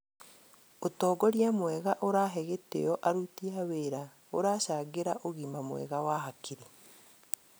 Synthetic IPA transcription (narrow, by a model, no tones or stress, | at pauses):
otɔːɡɔɾjamwɛɣaʔoɾaːɦɛɣetḛjɔʔaɾutiaweɾa | oɾaːʃaːɣeɾaʔoɣimamwɛ̰ɣawaːɦakʰiɾi